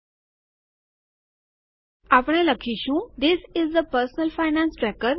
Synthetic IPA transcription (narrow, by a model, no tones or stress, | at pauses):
apɳ̃eləkʰiːɕũːd̪isɪzd̪əpəɾsnəlfaɪnæ̃nsʈɾɛkəɾ